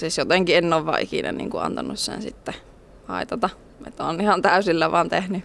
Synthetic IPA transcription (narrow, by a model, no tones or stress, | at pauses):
siːˑsjot̪eŋkienːoːʋʋɑ̰ʔʔikinæ̰nḭːŋkuɑ̰nt̪ɑnussḛnsit̪ːæ | hɑ̰ˑit̪ɑt̪ɑ | ḛt̪ːonihɑnt̪æˑysilːæʋɑnt̪ehny